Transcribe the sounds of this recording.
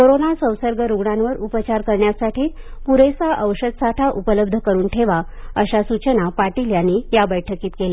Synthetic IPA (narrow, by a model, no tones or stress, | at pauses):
koɾonasə̃w̃səɾɡəɾuɡɳanʋəɾupət͡ɕaɾkəɾɳjasaʈiː | puɾesaʔəʋɕəd̪saʈʰaʔupələb̚d̪ʱəkəɾuːnʈʰeʋa | əɕasut͡ɕənapaʈiljanːiːjabəjʈʰəkiːt̪kela